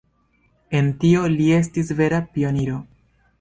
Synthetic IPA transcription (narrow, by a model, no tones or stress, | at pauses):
e̞ntio̞lie̞s̬tisve̞ɾapio̞niɾo̞